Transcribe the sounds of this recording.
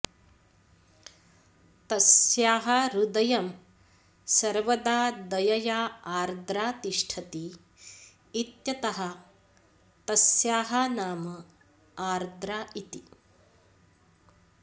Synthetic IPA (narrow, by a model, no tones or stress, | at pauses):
t̪ɐsjaːɦɐɾud̪ɐjɐm | sɐɾʋɐd̪aːd̪ɐjɐjaːaːɾd̪ɾaːt̪iʂʈʰɐt̪i | it̪jɐt̪ɐɦɐ | t̪ɐsjaːɦɐnaːmɐ | aːɾd̪ɾaːʔit̪i